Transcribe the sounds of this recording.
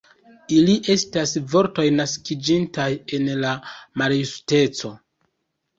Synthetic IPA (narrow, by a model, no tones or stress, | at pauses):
iliʔe̞stasvo̞ɾto̞jnaskid͡ʒintaje̞nlamaɾjuste̞t͡so̞